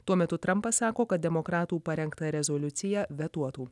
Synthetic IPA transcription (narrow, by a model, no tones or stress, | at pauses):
t̪uɔmʲɛt̪ʊt̪ɾɐmpɐssɑːkoːkɐt̪̚d̪ʲɛmokɾɑːt̪uːpɐɾʲɛŋkt̪ɐɾʲɛzolʲʊt̪sʲɪjæʋʲɛt̪uɔt̪uː